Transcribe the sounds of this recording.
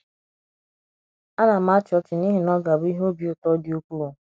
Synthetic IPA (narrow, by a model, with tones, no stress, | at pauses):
a˦na˨m̩a˦t͡ʃɪ˨ɔ˦t͡ʃɪ˨ni˦ɦi˨nɔ˦ɡa˨bʊ˦i˦ɦo˦bi˨o˨tɔ˦di˨o˦kʷu˦o˨